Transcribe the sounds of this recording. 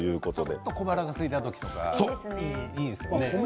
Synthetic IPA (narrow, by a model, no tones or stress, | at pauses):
jɯ̟ːko̞t̪od̪ḛt̪ːoko̞baɾaɡasɨɡit̪at̪o̞kʲi̥t̪o̞ka̰soiiːsɨjone